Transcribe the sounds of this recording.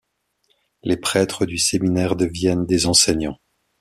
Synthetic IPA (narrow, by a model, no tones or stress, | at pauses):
lepχɛt̪χəd̪yseminɛʁd̪əvjɛnd̪ezɑ̃sɛɲɑ̃